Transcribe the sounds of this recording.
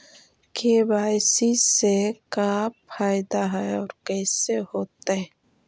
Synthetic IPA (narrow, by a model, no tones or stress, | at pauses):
kebaːjsisekaːpʰaːɪd̪aɦɛɔːɾkɛːsehoːt̪aɦɛ